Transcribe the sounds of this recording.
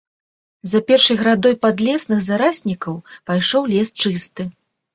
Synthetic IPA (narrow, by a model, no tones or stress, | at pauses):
zɐpʲɛrʂɐjɣɾad̪ɔjpad̪lʲɛsnɨɣzaɾasʲnʲikɐwpajʂɔwlʲɛst͡ʂɨst̪ɨ